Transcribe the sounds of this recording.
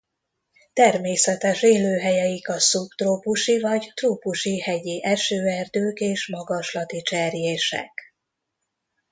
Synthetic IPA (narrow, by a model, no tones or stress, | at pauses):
t̪ɛrmeːsɛt̪ɛʃeːløːɦɛjɛjikɒsupt̪roːpuʃivɒɟt̪ruːpuʃihɛɟiʔɛʃøːɛrd̪øːkeːʃmɒɡɒʃlɒt̪it͡ʃɛrjeːʃɛ̰k